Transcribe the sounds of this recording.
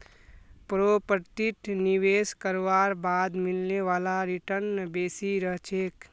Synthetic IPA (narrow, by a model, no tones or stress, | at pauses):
pɾopəɾt̪iʈ̪niʋeːskəɾʋaɾbaːd̪milneʋaːlaɾiʈəɾnbeːsiɾəɦt͡ʃʰeːk